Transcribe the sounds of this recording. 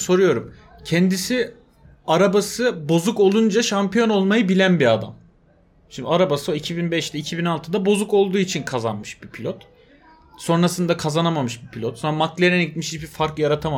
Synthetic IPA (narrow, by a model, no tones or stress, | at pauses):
so̞ɾujo̞ɾum | cʰɛnd̪isi | aɾabasɯbo̞zuko̞lˠund͡ʒaʃampʰijo̞no̞lˠmajɯbilʲænbiad̪a̰m | ʃind̪aɾabasɯoicʰibinbɛʃd̪ɛicʰibinalˠt̪ʰɯd̪abo̞zuko̞lˠd̪uːit͡ʃʰinkʰaza̰nmɯʃbipʰilʲot̪ | so̞nɾasɯnd̪akʰazanamamɯʃbipʰilʲot̪sonamaklʲeɾɛnɛɟit̪miʃibifaɾkjaɾat̪ʰama